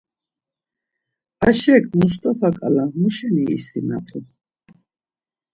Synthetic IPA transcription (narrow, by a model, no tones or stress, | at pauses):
aʃɛkʰʼmust̪ʼafʰakʼalamuʃɛnḭːsina̰pʼu